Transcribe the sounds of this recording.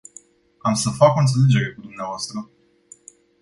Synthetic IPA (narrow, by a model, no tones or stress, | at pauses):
amsəfakɨnt̪se̞le̞d͡ʒe̞ɾe̞kud̪umneavoast̪ɾə